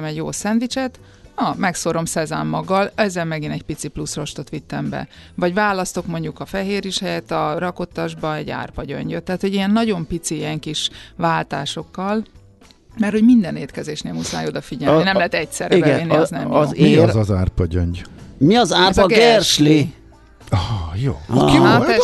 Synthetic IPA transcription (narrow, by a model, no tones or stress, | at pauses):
mɛɟjo̰ːsɛnʋit͡ʃɛt̪ | nɒmɛksoɾo̞msɛza̰ːmːɒɡːɒlɛzːɛlmɛɡinɛɟ̚pit̪siplusro̞ʃt̪o̞t̪ʋit̪ːɛmbɛ̰vɒɟvaːlɒst̪o̞kmo̞ɲɟukɒfɛɦeːɾiʃhɛjɛt̪ːɒrɒko̞t̪ːɒʒbɒɛɟa̰ːrpɒɟø̰ɲɟøt̪ːɛɦːt̪ho̞ɟijɛnːɒɟo̞mpit̪siijɛŋkiʃʋaːlt̪aːʃo̞kːɒl | mɛrt̪ho̞ɟmind̪ɛneːt̪kɛzeːʃneːlmusaːjoːd̪ɒfiɟɛlninɛmlɛɦɛt̪ɛcsɛrɛibɛɛinːiznɛ̰mjo̰ːmiɒzɒzaːrpɒɟøɲɟmiɒzaːzɒɡɡɛrʃli | ɒhɒjoːkiaɛ